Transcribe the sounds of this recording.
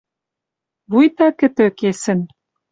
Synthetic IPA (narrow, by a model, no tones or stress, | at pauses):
βujt̪ɑkɘ̆t̪ø̆kesɘ̆n